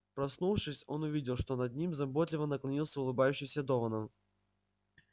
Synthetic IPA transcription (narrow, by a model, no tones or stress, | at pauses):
pɾɐsnufʂɨsʲo̞nʊvʲidʲɪlˠʂt̪o̞nɐd̪̚nʲimzɐbot̪lʲɪvənəklˠɐnʲilˠsʲəʊlˠɨbajʉɕːɪmsʲəd̪ovənəm